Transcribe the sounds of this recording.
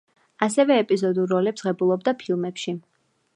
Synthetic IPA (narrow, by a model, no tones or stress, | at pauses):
asɛvɛːpʼizɔd̪uɾːɔlɛpsʁɛbulˠɔb̚d̪apʰilˠmɛpʃi